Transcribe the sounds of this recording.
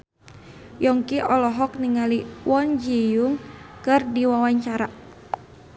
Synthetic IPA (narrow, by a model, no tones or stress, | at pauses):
jɔŋkiʔɔlɔɦɔk̚niŋaliwɔnd͡ʒijuŋkɨrdiwawaɲt͡ʃaɾa